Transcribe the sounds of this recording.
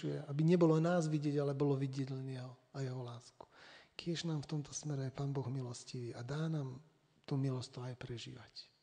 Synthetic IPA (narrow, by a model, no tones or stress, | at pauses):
ujɛ̰abiɲɛbɔlɔnaːzʋiɟɪɛɟalɛbɔlɔʋiɟɪɛɟlɛnɛɦɔajɛɦɔlaːsku̥kɪɛʒnaːmft̪ɔmt̪ʰɔ̥smɛɾɛajpaːnbɔɣmilɔsciʋiːʔad̪aːnaːm | t̪umilɔst̪ɔajpɾɛʒḭːʋac